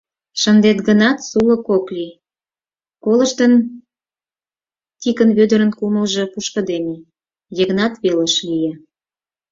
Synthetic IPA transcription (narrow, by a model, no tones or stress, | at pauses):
ʃə̆nd̪et̪ɡənɑt̪sulə̆koklʲi | kolə̆ʃt̪ən | t̪ʲikənβød̪əɾə̆nkumə̆lʒɤ̆puʃkə̆d̪eme | jəɣnɑt̪βeləʃlije